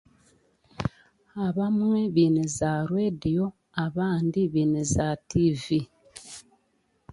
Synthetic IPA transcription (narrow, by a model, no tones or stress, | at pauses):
aβamweβinezaɾwedijo | aβaːndiβinezativi